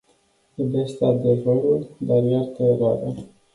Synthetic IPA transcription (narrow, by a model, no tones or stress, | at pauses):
ebest̪ad̪evəluld̪arjart̪əeɾoaɾə